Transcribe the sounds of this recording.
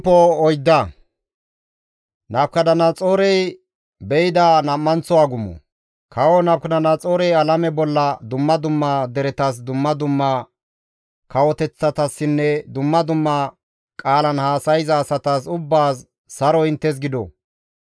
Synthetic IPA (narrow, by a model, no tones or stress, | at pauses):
pːɔɔjd̪ːɐ | nɐbkɐd̪ɐnɐt͡sʼoːɾɛj | bɛjɪd̪anɐmːɐnt͡sɔwaːɡʊmːɔ̰ | kʰɐwɔnɐb̚kɐd̪ɐnɐt͡sʼoːɾɛjɐlɐmɛbɔlːɐd̪ʊmːɐd̪ʊmːɐd̪ɛɾɛt̪ɐs̬d̪ʊmːɐd̪ʊmːɐ | kʰɐwɔt̪ɛt͡sːɐt̪ɐsːɪnːɛd̪ʊmːɐd̪ʊmːɐ | kʼaːlɐnhaːsɐjzɐːsɐt̪asʊbːaːsː | ɐɾɔɪnt̪ːɛs̬ɡɪd̪ɔ̰